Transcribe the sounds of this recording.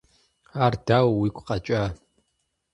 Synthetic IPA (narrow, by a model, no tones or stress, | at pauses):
ardawwikʷʼqʼat͡ʃʷʼa